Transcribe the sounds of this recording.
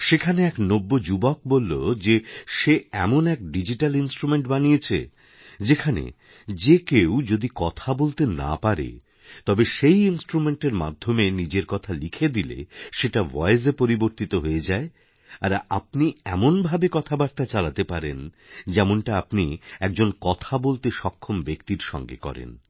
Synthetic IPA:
ʃekʰaneɛknobːod͡ʑubok̚bolːod͡ʑeʃeɛ̰monɛk̚ɖid͡ʑiʈalinsʈɾumeɳʈbanijet͡ɕʰḛ | d͡ʑekʰanḛ | d͡ʑekewd͡ʑod̪ikɔt̪ʰabolt̪ena̰paɾḛ | t̪ɔbeʃejinsʈɾumeɳʈeɾma̰d̪ʱːomenid͡ʑeɾkɔt̪ʰalikʰed̪ilḛʃeʈavɔezepoɾiboɾt̪it̪oɦoed͡ʑae | a̰ɾa̰p̚niɛmonbʱabekɔt̪ʰabaɾt̪at͡ɕalat̪epaɾḛn | d͡ʑɛmonʈaapniɛk̚d͡ʑonkɔt̪ʰabolt̪eʃɔkʰːombekt̪iɾʃɔ̰ŋɡḛkɔ̰ɾḛn

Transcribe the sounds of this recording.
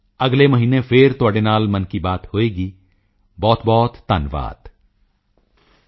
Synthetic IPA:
ɐɡlemɐɦiːnefʰɪɾt̪əɖenaːlmɐnkibaːt̪hoːeːɡiː | bɔːt̪bɔːt̪ːanʋa̰ːd̪

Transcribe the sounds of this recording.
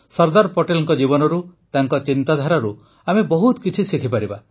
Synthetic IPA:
sɔɾd̪aɾpoʈelɔŋkɔd͡ʒibɔnɔɾut̪aŋkɔt͡ʃint̪ad̪ʱaɾaɾu | amebɔɦut̪kit͡ʃʰisikʰipaɾiba

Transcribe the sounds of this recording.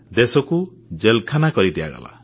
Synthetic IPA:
d̪esɔkud͡ʒelkʰanakɔɾit̪iba̰ɡa̰la̰

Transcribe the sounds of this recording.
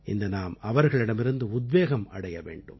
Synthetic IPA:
ɪ̰nd̪ɐnaːmɐʋɐɾɣɐɭɪɽɐmɪɾɯnd̪ɯʊd̪ʋeːɣɐmɐ̰ɽɐjɐʋḛːɳɖɯ̰m

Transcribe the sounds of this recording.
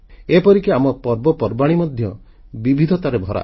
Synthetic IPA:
epɔɾikiamɔpɔɾbɔpɔɾbaɽ̃imɔd̪ʱjɔ | bibʱid̪ʱɔt̪aɾebʱɔɾa̰

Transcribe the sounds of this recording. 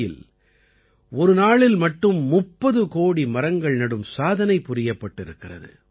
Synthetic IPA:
jɪl | ɔɾɯnaːɭɪlmɐʈːɯmːʊpːɐðɯkoːɽimɐɾɐŋɡɐɭnɐɽɯmsaːðɐnɐɪpːʊɾɪjɐpːɐʈːɪɾɯkːɪrɐ̰ðɯ̰

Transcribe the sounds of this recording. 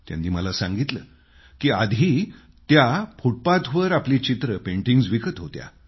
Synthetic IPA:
t̪ja̰nd̪iːməlasãŋɡit̪lə̰ː | kiːad̪ʱi | t̪japʰuʈ̚pat̪ʰʋəɾapliːt͡ɕit̪ɾəpeɳʈiŋɡd͡zʋikət̪ɦot̪ja̰

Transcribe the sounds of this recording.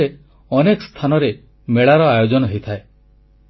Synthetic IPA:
e | ɔnekɔst̪ʰanɔɾe | meɭaɾɔajod͡ʒɔnɔɦejt̪ʰae

